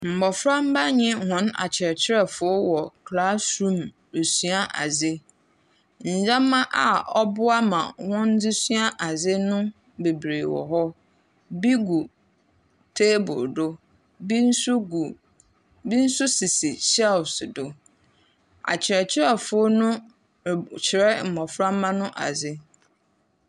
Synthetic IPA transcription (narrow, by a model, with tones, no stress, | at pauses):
m̩˨bɔ˨fɾã˦m̩˦ba˦ɲɪ̃˦hɔ̃˨˦na̰˨t͡ɕʰɪ˨ɾɛ˨t͡ɕʰɪ˦ɾɛ˦fʊ˨o˦wɔ˨kʰla˦sɾũ˦˨m | e˨su˦a˦ʔa̰˨zɪ˦ | ɲ̩˨d͡ʑã˦mːã˦ʔa˨ɔ˦bʊ˦a˦mã̰˨wɔ̃˦n˦d͡zɪ˦su˦a˦ʔa˨zɪ˦nʊ̃˦ | be˨bɾe˨wɔ̰˨ɦɔ˦ | bi˦ɡu˨ | tʰe˦bʊ̰˨dʊ˦ | bi˦n̩˦ɡ | bi˦n̩˦sʊ˦si˨si˨t͡ɕɛ˦sdʊ˦ | a̰˨t͡ɕʰɪ˨ɾɛ˨t͡ɕʰɪ˦ɛ˦fʊ˦nʊ̃˦˨ | t͡ɕʰɪ˨ɾɛ˦m̩˨mɔ̃˨fɾã˦m˦mã˦nʊ̃˦ʔa̰˨zɪ˦